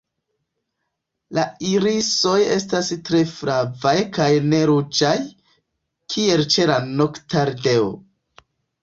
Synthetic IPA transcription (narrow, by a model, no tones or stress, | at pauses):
laiɾiso̞je̞stastɾe̞fɾavajkajne̞ɾud͡ʒaj | kʰie̞lt͡ʃe̞lano̞ktaɾde̞o̰